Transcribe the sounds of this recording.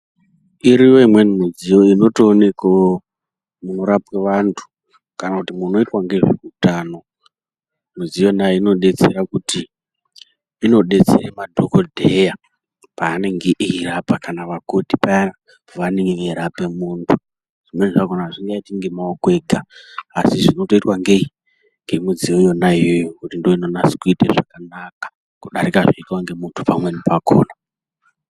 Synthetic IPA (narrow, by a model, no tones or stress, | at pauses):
iɾiwo̞imwe̞nmud͡zijo̞ino̞toːne̞kao | munoɾapweʋantʰu̥ | kanakutimuno̞itwaŋɡe̞ʐekutaːno̞ | mud͡zijo̞najeino̞ɗe̞t͡se̞ɾakuti | no̞ɗe̞t͡sḛremadʱokodʱeja | paːne̞ŋɡeʔiɦirapakanaʋakotipaa | pʋaneŋɡeʋeiɾape̞muːntʰu | ʐ̥imweniʐaɡʱonaʐiŋɡaitiŋɡe̞maokwe̞ɡʱaːsiʐino̞to̞itwaŋɡe̞i | ŋɡe̞mud͡ziojo̞naijojokutindoino̞nasi̥kuitḛʐakanakḁ | kuɗaɾikaʐoitwaŋɡe̞muntʰupamwe̞nipako̰ːna